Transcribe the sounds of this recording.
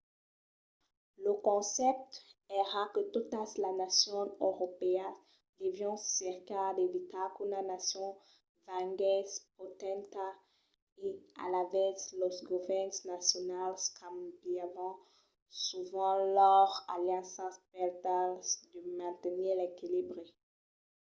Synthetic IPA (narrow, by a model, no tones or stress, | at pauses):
ləkɔ̃sɛp̚t̪eʁakət̪ut̪aslanasjɔ̃øʁopea | d̪evjɔ̃sɛʁkad̪evit̪akunanasjɔ̃ | vãɡɛspot̪ɛ̃nt̪a | ea̰lavɛslɔsɡovɛnsnasjɔnalskʰãmbiamɑ̃ | suvɑ̃lœʁaljãsɑ̃spɛʁt̪ald̪əmɛ̃t̪əniʁlekilibʁe